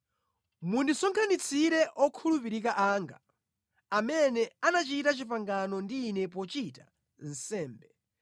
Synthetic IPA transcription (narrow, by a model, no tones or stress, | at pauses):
mundisɔŋkʰanit͡sʰiɾɛʔɔkʰulupiɾikaʔaːŋɡa̰ | amɛnɛanat͡ʃitat͡ʃipaŋɡanɔndiːnɛp̬ɔt͡ʃita | n̩sɛːmbɛ